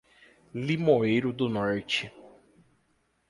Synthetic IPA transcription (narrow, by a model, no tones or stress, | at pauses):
limoejɾʊd̪ʊnɔɾt͡ʃɪ